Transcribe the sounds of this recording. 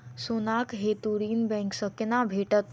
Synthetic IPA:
sunakɦet̪uɾinbɛ̃ŋksəknabʱeʈət̪̚

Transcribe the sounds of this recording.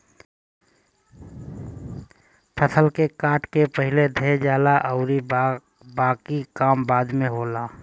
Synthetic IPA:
pʰəsəlkekaːʈkepəɦɪled̪ʱed͡ʒaːlaʔəʊɾi | baːkikaːmbaːd̪mẽɦoːlaː

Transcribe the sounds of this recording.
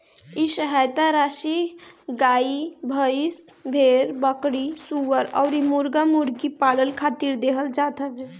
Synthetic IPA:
isəɦajt̪aɾaʃiɡaibʱəisbʱeɾbəkɽisuʋəɾɔ̰ʊɾimuɾɡamuɾɡipaləlkʰat̪iɾd̪eɦəld͡ʒat̪əbe

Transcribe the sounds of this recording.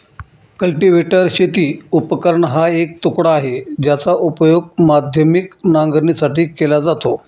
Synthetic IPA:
kəlʈiʋeʈəɾɕet̪iːupəkəɾɳəɦaek̚t̪ukɽaːɦed͡ʑjat͡saʔupəjoɡ̚mad̪ʱjəmiknãŋɡəɾɳisaʈiːkelad͡zat̪o

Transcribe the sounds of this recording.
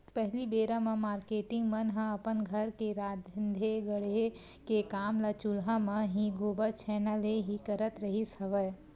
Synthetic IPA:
pɛɦlibeːɾamɐ̃maːɾkeːʈɪ̃ŋɡmɐnɦãɐpənɡʱɐɾkeɾaːd̪nd̪ʱeɡəɽe | kekaːmlat͡ʃulɦamɐ̃ɦĩɡoːbəɾt͡ʃʰɛːnəleɦikəɾət̪ɾɐɦisɐʋə

